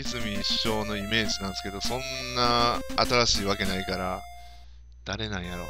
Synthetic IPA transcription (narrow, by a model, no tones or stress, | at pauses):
izɨmʲiːɕo̞ːno̞ime̞ːʑinãñsɨ̥ke̞d̪o̞sõ̞nːaːt̪aɾaɕiːβake̞naikaɾa | d̪̥aɾe̞nãɰ̃jaɾo̞̰